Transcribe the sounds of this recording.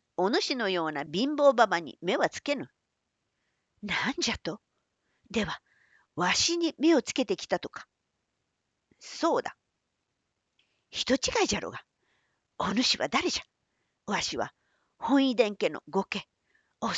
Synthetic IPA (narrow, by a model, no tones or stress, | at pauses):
o̞nɯɕino̞jo̞ːnabʲĩmbo̞ːbabaɲ̟ḭme̞βat͡sɨ̥ke̞nɯ̟ | naɲ̟d͡ʑat̪o̞ | d̪e̞βa | βaɕiɲ̟ime̞o̞t͡sɨ̥ke̞t̪e̞kʲi̥t̪at̪o̞kḁ | so̞ːd̪a | çi̥t̪o̞t͡ɕiɡaiʑaɾo̰ɡa | onɯ̟ɕiβa̰d̪aɾe̞ʑḁ | βaɕiβa̰ | hõ̞ɰ̃id̪ẽ̞ŋke̞no̞̰ɡo̞ke | o